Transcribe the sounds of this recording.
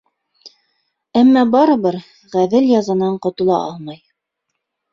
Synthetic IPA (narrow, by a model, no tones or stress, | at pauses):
æmːæbɑɾɤ̆βɤɾ | ʁæðɘljɑzɑnɑɴqŏt̪ŏlˠɑ̰ʔɑlˠmɑj